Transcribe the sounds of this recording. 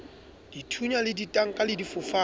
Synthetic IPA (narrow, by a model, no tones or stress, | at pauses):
d̥itʰuɲalɪditʼaŋ̩kʼalɪdifʊfaː